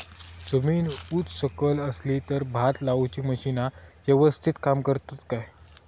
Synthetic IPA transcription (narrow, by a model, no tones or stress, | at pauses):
d͡zəmiːnuːt͡ssəkələslit̪əɾbʱat̪laut͡ɕiːməɕinaʋəʋəst̪ʰit̪kamkəɾt̪at̪kaj